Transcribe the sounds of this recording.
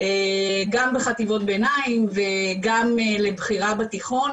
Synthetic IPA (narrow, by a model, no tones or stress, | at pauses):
eɡambeχativo̞t̚benaimveɡamelebχiʁabat̪iχo̞n